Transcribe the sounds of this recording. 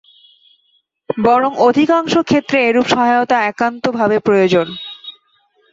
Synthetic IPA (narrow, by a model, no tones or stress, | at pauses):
bɔɾoŋod̪ʱikaŋʃokʰet̪ːɾeeɾupʃɔɦaot̪aɛkant̪obʱabepɾojod͡ʑon